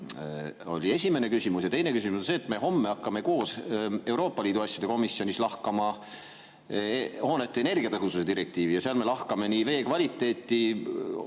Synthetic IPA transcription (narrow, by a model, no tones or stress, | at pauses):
o̞̰lʲie̞sʲime̞ne̞kysimusjɑt̪e̞jnekys̬imusonse̞ːt̪ˑme̞ɦo̞mːe̞ɑkːɑme̞ko̞ːse̞wɾo̞ːpːˑɑliːd̪̥uɑsʲːjɑd̪e̞ko̞misio̞nislɑhkɑmɑ | ho̞ːnet̪ːeːne̞rɡiɑt̪ɤɦususe̞d̪iɾek̚t̪iːvijɑseɑlme̞lɑhkɑme̞nive̞ːkvɑlʲit̪ːˑe̞ːt̪ːˑi